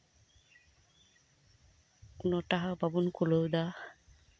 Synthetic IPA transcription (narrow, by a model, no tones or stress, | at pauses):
unɔtaɦababunkulowd̪a